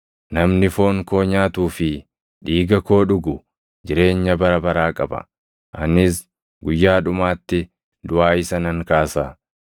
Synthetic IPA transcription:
nɐmnɪfo̞ːŋko̞ːɲaːt̪uːfɪ | ᶑiːɡɐko̞ːᶑʊɡʊ | d͡ʒɪɾe̞ːɲːɐbɐɾɐbɐɾaːkʼɐbɐ̰ | ʔɐ̰nɪs | ɡʊjːaːᶑʊmaːt̪ːɪ | d̪ʊʔaːɪsɐnɐŋkaːsaː

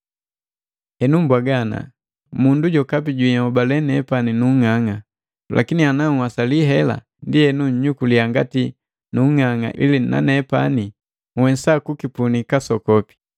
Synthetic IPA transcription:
hɛnumbwaɡana̰ | munduɟɔkap̬iɟwiɲɔbalɛnɛpaninuŋaŋa | lʔa̰kinianaŋwasaliɦɛla̰ | ndihɛnuɲ̩ɲukuliaŋɡati | nuŋaŋa̰ʔḭlina̰nɛpa̰ni | wɛsakukipunikasɔkɔpi̥

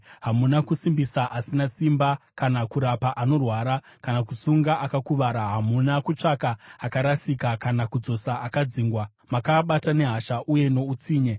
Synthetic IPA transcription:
ɦamunakusimbisaʔasinasimbakanakuɾapaʔano̞rwaːɾa | kanakusuŋɡaʔakakuʋaɾaɦamunakut͡ʂakaːkaɾasikakanakud͡zo̞saakad͡ziːŋɡwa | makaɓatane̞ɦaʃaʔuje̞no̞ut͡siːɲe

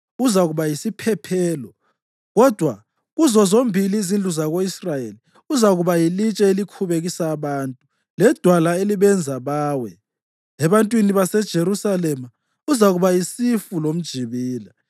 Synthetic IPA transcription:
uzaɣuβajisipʰɛpʰɛːlɔ | ɣɔd̥ʱwa̰ | ɣuzɔzombʱiliːzind͡ɮʱuzaɣoisrajeli | uzaɣuβajilit͡ʃʼɛelikʰuβeɣisaːβaːntʼu | lɛd̥ʱwalaeliβɛnd͡zʱaβaːwɛ | ɛβantʼwiniβasɛd̥ʒ̥ʱeɾusalɛma | uzaɣuβajisifulom̩d̥ʒ̥ʱiβiːla

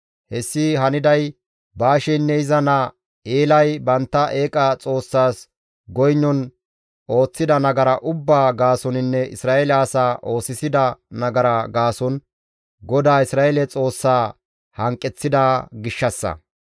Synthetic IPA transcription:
hɛsːɪɦɐnɪd̪ɐj | baːʃɛnːɛɪzɐnɐ | eːlɐjbɐnt̪ːɐʔe̞ːkʼɐt͡sʼo̞ːsːaːs | ɡɔjnːɔn | o̞ːt͡sːɪd̪ɐnɐɡɐɾɐʔʊbːaːɡaːsɔnɪnːɛʔɪsɾaːʔelːsaːʔo̞ːsɪsɪd̪ɐnɐɡɐɾɐɡaːsɔn | ɡɔd̪aːɪsɾaːɛlɛt͡sʼo̞ːsːaː | hɐŋkʼːɛt͡sːɪd̪aɡɪʃːɐsːɐ̰

